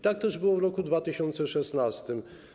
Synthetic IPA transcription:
t̪ak̚t̪ɛʐbɘwɔvɾɔkud̪vat̪ɘɕɔnt̪sɛʂɛsnast̪ɘm

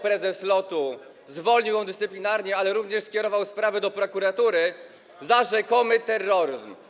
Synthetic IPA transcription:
pɾɛzɛslɔt̪u | zvɔlɲiwjɔ̃d̪ɘst̪sɘplʲinaɾɲɛalɛɾuvɲɛʂskʲjɛɾɔvawspɾavɛd̪ɔpɾɔkuɾat̪uɾɘ | zaʐɛkɔmɘt̪ɛrːɔɾɘzm

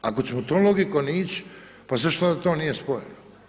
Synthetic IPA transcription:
akot͡ɕemot̪onloɡikoniːt͡ɕ | paseʃt̪ad̪at̪oːnije̞spojḛno

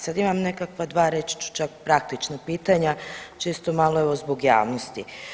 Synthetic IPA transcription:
sad̪imamne̞kakʋad̪ʋaːɾet͡ʃt͡ʃu̥t͡ʃakpɾak̚t̪it͡ʃnapiːt̪aɲat͡ʃeːst̪o̞malˠoeʋozboɡja̰ːʋnost̪i

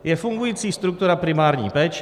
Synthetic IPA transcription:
jefuŋɡujit̪sist̪ɾuk̚t̪uɾapɾimarnʲḭjpɛt͡ʃ

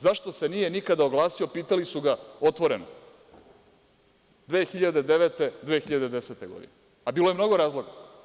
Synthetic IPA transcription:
zaʃt̪o̞se̞nije̞nikad̪aoɡlˠaːsiopiːt̪alisuɡaot̪ʋo̞ɾeno | d̪ʋeːxiʎad̪ed̪eʋet̪e̞d̪ʋexiʎad̪e̞d̪eset̪e̞ɡo̞d̪ḭne | abiːlojemno̞ɡo̞ɾaːzlˠo̞ɡa

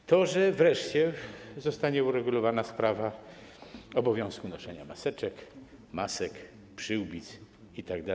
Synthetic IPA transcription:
t̪ɔʐɛvɾɛʂt͡ɕɛzɔst̪aɲɛuɾɛɡulɔvanaspɾava | ɔbɔvʲjɔ̃w̃skunɔʂɛɲamasɛt͡ʂɛk | masɛk | pʂɘwbʲit̪s | it̪aɡd̪a

